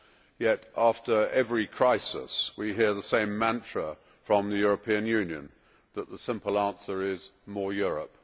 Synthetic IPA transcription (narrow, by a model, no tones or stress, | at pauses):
jɛɾʔɑftə˞ɛvɹikʰɹ̥aɪsɪ̰swiɦɪɹðəsẽɪ̃mːæ̃ntʰɹ̥ə | fɹə̃mðɨjʊɹəpʰĩɨ̃njʉ̃njɨ̰̃n | ðət̪̚ðəsɪ̃mpl̩ˠæ̃nsə˞ɪzmɔɹjʊɹə̰p̚